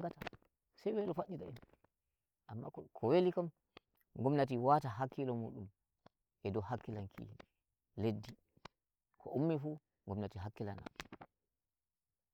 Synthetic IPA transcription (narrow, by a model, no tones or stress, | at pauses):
ŋɡata | sajwelɔfaɗːita̰ɛn | ʔamːa̰kʰɔwelikam | ŋɡɔmnat̬iwataɦakːilɔmṵːɗum | ʔɛdɔhakːilankʰḭ | ledːi | kʰɔʔumːifu | ŋɡɔmnatiɦakːila̰na̰